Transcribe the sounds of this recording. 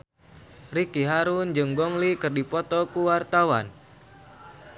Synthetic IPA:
rikiɦaɾund͡ʒɨŋɡɔŋlikɨrdipɔt̪ɔkuwart̪awa̰n

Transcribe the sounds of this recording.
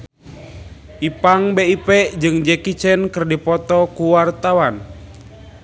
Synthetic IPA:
ʔipaŋbeipɛd͡ʒɨŋd͡ʒɛkit͡ʃɛnkɨrdipɔt̪ɔkuwart̪awan

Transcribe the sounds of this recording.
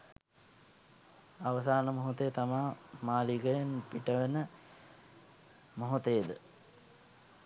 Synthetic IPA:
aʋəsaːnəmoɦut̪əjət̪amaːmaːliɡəjənpiʈəʋenə | moɦut̪ejəd̪ə

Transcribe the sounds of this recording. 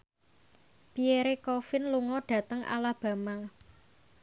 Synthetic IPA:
b̥ieɾekɔfɪnluŋɔɖ̥ä̤t̪əŋʔa̰lab̥ä̤ma

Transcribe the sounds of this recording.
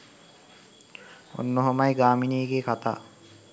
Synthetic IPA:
o̰nːoɦomajɡaːminiːɡeːkʰat̪a̰ː

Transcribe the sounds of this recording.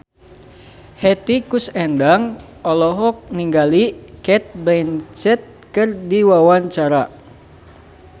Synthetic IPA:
hɛt̪ikusɛndaŋ | ɔlɔɦɔk̚niŋɡalikɛt̪̚bɛnt͡ʃɛt̪̚kɨrdiwawaɲt͡ʃaɾa

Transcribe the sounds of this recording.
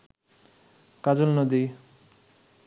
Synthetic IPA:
kad͡ʑolnod̪i

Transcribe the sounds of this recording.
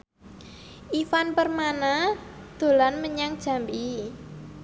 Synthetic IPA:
ʔifanpərmanad̪̥o̤lanməɲaŋd̥ʒ̥a̤mbi

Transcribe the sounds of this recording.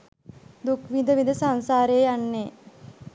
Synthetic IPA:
d̪ukʋind̪əʋind̪əsaŋsaːɾejːjanːe

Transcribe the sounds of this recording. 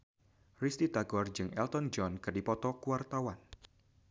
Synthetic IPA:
rist̪it̪aɡɔrd͡ʒɨŋɛ̰lt̪ɔnd͡ʒɔnkɨrdipɔt̪ɔkuart̪awan

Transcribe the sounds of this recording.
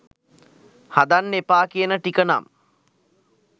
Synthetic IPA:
had̪anːepaːkijənəʈikəna̰m

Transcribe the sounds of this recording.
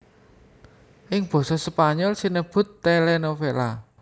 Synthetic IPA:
ʔɪŋb̥ɔ̤sɔsəpaɲɔlsinəb̥ʊ̤t̪ːɛlɛnofela̰

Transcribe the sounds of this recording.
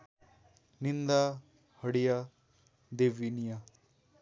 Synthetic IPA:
nind̪a | həɽija | d̪eʋinija

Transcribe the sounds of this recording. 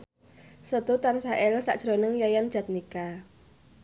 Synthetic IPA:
sət̪ut̪ansaʔɛlsa̰ʔd̥ʒ̥ɾonəŋjajand̥ʒ̥a̤t̪̚nika

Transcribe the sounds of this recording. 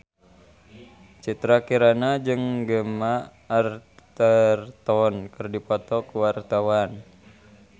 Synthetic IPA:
t͡ʃit̪ɾakiɾanad͡ʒɨŋɡəmaː | rt̪ərt̪ɔnkɨrdipɔt̪ɔkuwart̪awan

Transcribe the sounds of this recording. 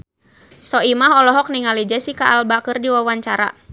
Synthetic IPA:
sɔimaɦɔlɔɦɔk̚niŋalid͡ʒɛsikaːlbakɨrdiwawaɲt͡ʃaɾa̰

